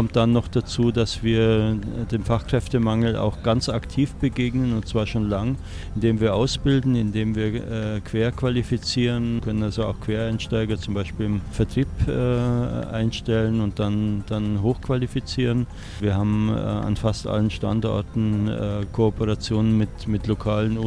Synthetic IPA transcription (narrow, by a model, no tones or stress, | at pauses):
ɔmt̚d̥anːɔχd̥at͡suːdasv̥iːɐd̥eːmfaχkʁ̥ɛftəmaŋl̩ʔa̰ʊxɡ̥ant͡saktʰiːfb̥əɡeːɡnənʊnt̚t͡sv̥aːɐʃoːnlaŋ | ɪndeːmviːɐʔaʊsb̥ɪldn̩ɪndeːmviːɐʔɛkʰv̥eːɐkv̥alifit͡siːʁənkʰœnənalzoa̰ʊxkʰv̥eːɐaɪnʃtaɪɡɐt͡sʊmbaɪʃpiːlɪmfɛɐtʁ̥iːpʔɛːʔaɪnʃtɛlənʊnt̚d̥and̥anɦoːxkv̥alifit͡siːʁən | viːɐhaːbm̩ɛ̰a̰nfastʔa̰lənʃta̰ntʔɔ̰ɐtn̩ɛːkʰoːpəʁat͡sjoːnənmɪtmɪtlokʰaːlənʊ